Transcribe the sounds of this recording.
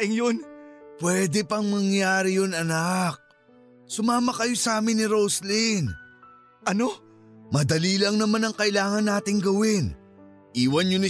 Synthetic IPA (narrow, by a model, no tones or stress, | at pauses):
ʔɪŋjonpwɛːd̪ɛpɐŋmɐŋjaːɾɪjonɐnak̚ | sʊmaːmɐkɐjo̞saːmɪnːɪɾoslin | ʔɐno | mɐd̪ɐliːlɐŋnɐmanɐŋkɐʔɪlaːŋɐnːaːt̪ɪŋɡɐwɪn | ʔiːwɐnjonɪ